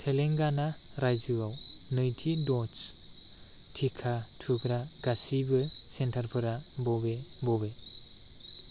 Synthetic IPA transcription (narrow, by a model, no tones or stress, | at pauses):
tʰeleŋɡanaɾajd͡ʒɯawnɯjtʰidɔs | tʰikʰatʰɯɡɾaɡasibɯsentʰaɾpʰɯɾabɔbebɔbe